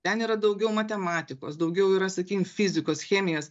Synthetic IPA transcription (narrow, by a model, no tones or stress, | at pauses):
t̪ʲɛniːɾɐd̪ɐʊɡʲɛʊmɐt̪ʲɛmɑːt̪ʲɪko̰ːsd̪ɐʊɡʲɛʊiːɾɐsɐkʲiːkʲɪmfʲɪzʲɪkoːsxʲæːmʲɪjoːs